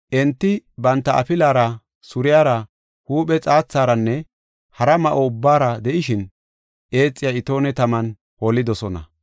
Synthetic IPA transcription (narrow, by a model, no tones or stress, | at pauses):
ʔɛnt̪ːɪbɐnt̪ːɐɐ̰pɪlaːɾɐ | sʊɾɪjaːɾɐ | huːpɛt͡sʼaːt͡sːaːɾɐnːɛ | hɐɾɐmɐʔoʊbːaːɾɐd̪ɛʔɪʃɪn | ʔe̞ːt͡sʼːɪjaɪt̪o̞ːnɛt̪ɐmɐn | holːɪd̪ɔsɔnɐ̰